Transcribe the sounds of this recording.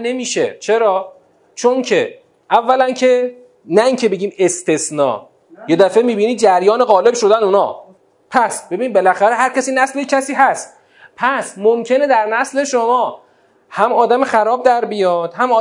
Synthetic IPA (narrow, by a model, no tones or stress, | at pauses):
ne̞miːʃḛt͡ʃʰe̞ɾɒː | t͡ʃʰo̞ncʰe̞ | ʔævːælæncʰe̞ | næiːŋcʰebe̞ɟʲiːme̞st̪e̞snɒ̰ː | je̞d̪æfe̞miːbiːniːd͡ʒæɾjɒːne̞ɣɒːle̞bʃo̞d̪ænuːnɒ̰ː | pʰæsbe̞binibe̞læxæɾeɦæɾcʰæsiːnæslejcʲʰæsiːɦæst̪̚ | pʰæsmomcʰe̞ne̞d̪æɾnæsle̞ʃomɒː | hæmɒːd̪æmexæɾɒːb̚d̪æɾbijɒd̪̥hæmɒː